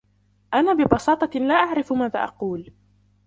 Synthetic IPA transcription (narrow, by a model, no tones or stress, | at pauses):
ʔanaːbɪbɑsɑːt̪ˤɑlaːʔaʕɾɪfmaːða̰ːʔɑ̰quːl